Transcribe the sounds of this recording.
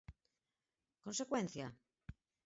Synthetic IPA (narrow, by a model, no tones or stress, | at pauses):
konsekwẽn̟θja